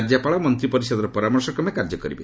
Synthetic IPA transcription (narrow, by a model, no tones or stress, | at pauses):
ɾd͡ʒapaɭɔmɔnt̪ɾipɔɾisɔd̪ɔɾɔpɔɾamɔɾsɔkɔmeakaɾd͡ʒɔkɔɾḭbe